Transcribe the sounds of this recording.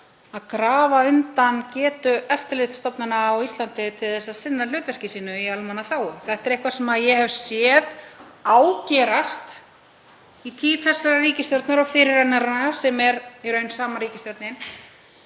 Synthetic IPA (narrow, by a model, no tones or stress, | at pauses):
aðkɾaːvaʏmt̪ancɛːt̪ʏʔœft̪ɪlɪt̪st̪ɔpnʏnaːwist̪lant̪ɪt̪ʰɪlθɛsːaðsɪnːalʏːt̪vɛr̥cɪsiːnʏialmanːaθaːwʏɾθɛht̪ɛɾehkvasɛmaðjɛɦɛvsjɛðaːwcɛːɾast̪ | it̪ʰiːθɛsːaɾariːcɪst̪jɔwɾt̪naɾɔɣfɪɾɪɾ̥hanːaɾasɛmɛɾiɾœɥnsaːmaɾiːcɪst̪jɔwɾt̪nɪn